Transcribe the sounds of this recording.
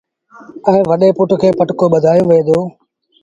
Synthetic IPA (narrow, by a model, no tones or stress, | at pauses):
ɛ̃ːʋəɗeːpʊʈkʰeːpəʈkoːɓəd̪ʱaːjõːʋẽːd̪oː